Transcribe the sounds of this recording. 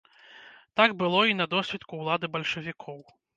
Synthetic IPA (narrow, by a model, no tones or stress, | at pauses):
t̪aɡbɨlˠɔinɐd̪ɔsʲvʲit̪kuːlˠad̪ɨbɐlʲʂɐvʲikʰɔw